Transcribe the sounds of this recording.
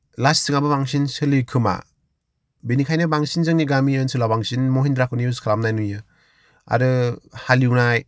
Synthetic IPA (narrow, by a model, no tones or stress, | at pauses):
lassɯŋabɯbaŋsinsɯlɯkʰɯma̰ | benikʰajnɯbaŋsinzɯŋniɡamiɯnsɯlabaŋsinmoɦindɾakʰɯniuskʰalamnajnujɯ | a̰ɾɯhaliwnaj